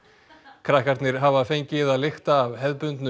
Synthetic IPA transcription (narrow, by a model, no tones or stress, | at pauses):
kʰɾahkaɾt̪nɪɾ̥ɦavafejɲcɪðaðlɪxt̪aːvɦɛðpʏnt̪nʏ